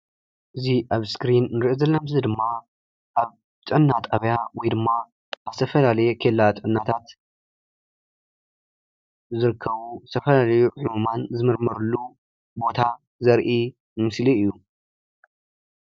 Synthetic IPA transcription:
ʔɨziʔaβskɾinːɨɾiʔozɐlːɐmzid̪ɨmːa | ʔaβ | t̪ʼɨʕɨnːat̪ʰʼaβjawɔjd̪ɨmːa | azt̪ʰɐfɐlalɐjɛkʰelːat̪ʼɨʕɨnːat̪ʰat̪ | zɨɾɨkʰːɐβust̪ʰɐfɐlalɐjuħumumanzɨmɨɾmɐɾulːu | bo̞t̪ʰa | zɐɾʔi | mɨmɨsliɨjːu

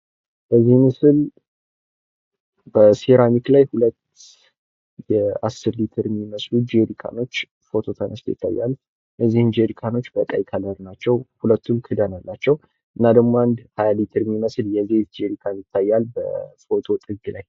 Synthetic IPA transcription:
b̥əzːihmɨsɨl | bəseɾamiklajhulət̪ː | jɛasːɨɾlit̪ʰɨɾmiməslud͡ʒeɾikʰa̰no̞t͡ʃː | fo̞t̪ʰo̞t̪ʰənəst̪jɪ̰t̪ʰːa̰jːa̰l | jɛzːihɨnd͡ʒeɾikʰano̞t͡ʃːbək̪ʼajk̪ʰaləɾnat͡ʃːɛwhulət̪ʰːumkʰɨd̪analːat͡ʃːɛw | ʔɨnːad̪əɡmo̞and̪hajalit̪ʰɨɾmiməsljɛzet̪d͡ʒeɾikʰanjɪt̪ʰːajːalbə̰fo̞t̪ʰo̞t̪ʼɨɡɨlaj

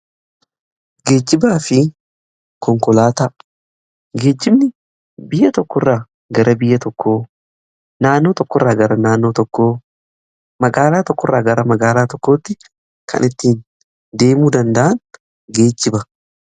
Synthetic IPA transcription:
ɡe̞ːd͡ʒːɪbaːfɪ | kʰɔŋkɔlaːt̪a | ɡe̞ːd͡ʒːɪbnɪ | bɪjːɐt̪ɔkːɔrːaː | ɡɐɾɐbɪjːɐt̪ɔkːo̞ː | naːnːo̞ːt̪ɔkːɔrːaːɡɐɾɐnaːnːo̞ːt̪ɔkːoː | mɐɡaːlaːt̪ɔkːɔrːaːɡɐɾɐmɐɡaːlaːt̪ɔkːoːt̪ːɪ | kʰɐ̰nʔɪt̪ːiːn | d̪e̞ːmuːd̪ɐnd̪ɐʔɐn | ɡe̞ːd͡ʒːɪbɐ

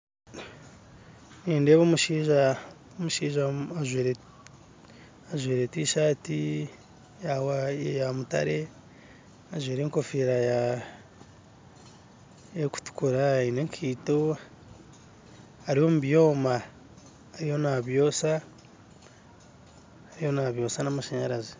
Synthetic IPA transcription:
niːnde̞βomuʃiːʒa | omuʃiːʒaaʒweɾe | aʒweːɾetiːʃaːti | jawajamuta̰ɾe̞ | aʒweːɾeŋko̞fiɾaja | eku̥tu̥kuɾaineŋkʰiːto̞ | aɾiho̞muβjo̞ːmaː | ɾijo̞naβjo̞ːsa | ɾijo̞naβjo̞ːsanamaʃeɲaɾazi

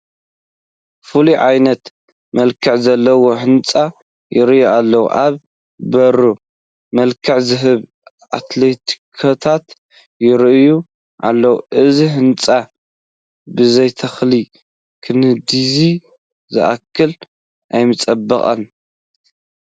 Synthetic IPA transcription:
fɨluʕajnɐt̪ | mɐlkʰɨʕzɐlːɐwo̞ħɨnt͡sʼa | jʔɪɾɨjualːɐwṵʔaβ | bɐɾu | mɐlkʰɨʕzɨɦɨβ | ʔa̰t̪let̪ʰi̥kʰɐt̪ʰat̪ | jɪɾʔju | ʔa̰lːɐwuʔɨziɦɨnt͡sʼa | bɨzɐjt̪ʰɐxli | kʰɨnɨd̪izi | zɨ̰ʔa̰kʰːɨl | ʔajmɨt͡sʼɐbːɐχʼɐ̰n

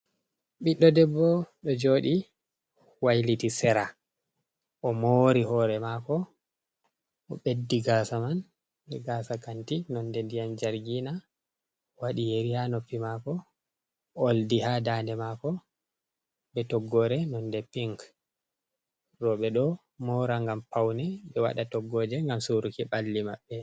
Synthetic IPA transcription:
ɓiɗːɔdɛbːɔɗɔd͡ʒoːɗi | wajlitisɛɾa | ʔɔmoɾiɦɔːɾɛmakɔ | ɔɓedːiɡasaman | ɓɛɡaːsakantinɔndɛndijand͡ʒaɾɡina | waɗijeɾihanopːimakɔ | oldihadaːndɛmakɔ | ɓɛtɔɡːɔɾɛnɔndɛpiŋk | rɔɓɛɗɔ | mɔɾaŋɡampawnɛɓɛwa̰ɗatɔɡːɔːd͡ʒɛŋɡamsuɾukiɓalːimaɓːɛ

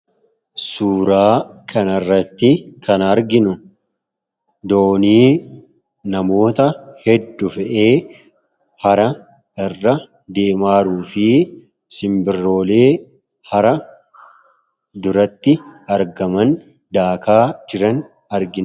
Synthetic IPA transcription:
suːɾaːkʰɐnɐrːɐt̪ːɪkɐnɐɾɡɪnʊ | d̪o̞ːniː | nɐmo̞ːt̪ɐhɛd̪ːʊfɛʔe̞ː | hɐɾɐ | ɛrːɐ | d̪e̞ːmaːɾuːfɪ | sɪmbɪrːo̞ːle̞ː | hɐɾɐ | d̪ʊɾɐt̪ːɪɐɾɡɐmɐn | d̪aːkaːd͡ʒɪɾɐn | ɐɾɡɪn

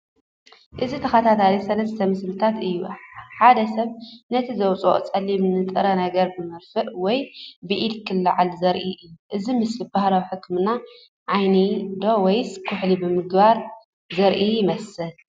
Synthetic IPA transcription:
ʔɨzit̪ʰɐxat̪ʰat̪ʰalisɐlɐst̪ʰɐmɨslɨt̪ʰat̪ɨjːuħad̪ɐsɐβnɐt̪ʰizɐwt͡sʼo̰ʔt͡sʼɐlimnɨt̪ʼɨɾɐnɐɡɐɾbɨmɨɾfɨʔwɔjbɨʔid̪kʰɨlːaʕalzɐɾʔiʔɨjːuʔɨzimɨslibahlawiħɨkːmɨna | ʕajnid̪o̞wɔjskʰʊħlibɨmɨɡbaɾ | zɐɾʔijɪmɐsɨl

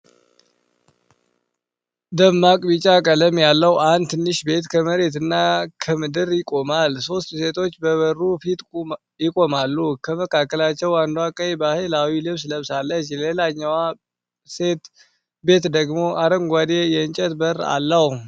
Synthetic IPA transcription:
d̪əmːakʼbit͡ʃʼakʼələmjalːəwand̪t̪ʰɨnːɨʃbe̞t̪kʰəməɾe̞t̪ɨnːakʰəmɨd̪ɨɾjɪkʼo̞malso̞st̪se̞t̪ʰo̞t͡ʃːbəβərːufit̪ʼ | jɪkʼo̞malːukʰəməkʰakːəlat͡ʃːɛwand̪wakʼəjbahelawilɨβsləβsalːət͡ʃːlelaɲːawa | set̪ | be̞t̪d̪əɡmo̞ʔaɾəŋɡʷad̪e̞jɛɨnt͡ʃʼət̪bəra̰lːəh

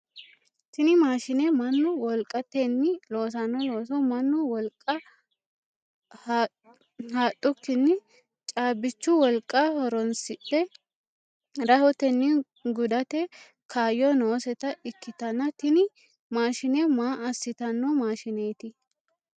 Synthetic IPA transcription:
t̪ɪnɪmaːʃɪnemɐnːʊwɔlkʼːɐt̪ɛnːɪlo̞ːs̬ɐnːɔlo̞ːs̬ɔmɐnːʊwɔlkʼɐ | h | haːt̪ʼːʊkːɪnːɪ | t͡ʃʼaːbɪt͡ʃːʊwɔlkʼːahɔɾɔnsɪt̪ːɛ | ɾɐhɔt̪ɛnːɪ | ɡʊd̪ɐt̪ɛ | kʰaːjɔnoːsɛt̪ɐɪkːɪt̪ɐnɐt̪ɪnɪ | maːʃɪnemaːɐsːɪt̪ɐnːɔmaːʃɪneːt̪ɪ

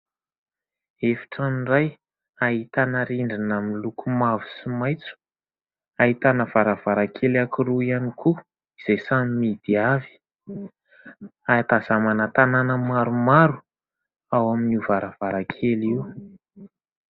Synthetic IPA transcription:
efi̥ʈ͡ʂaniraj | aɦit̪anaɾiɳɖ͡ʐinaminlukʰumavu̥simajt͡su̥ | aɦit̪anəv̥aɾav̥aɾakʰelakiɾuianikʰu | iz̥ejsamimid̪̥iavi̥ | at̪azamanət̪ananəmaɾumaɾu | awaminuvaɾəv̥aɾakʰeliw

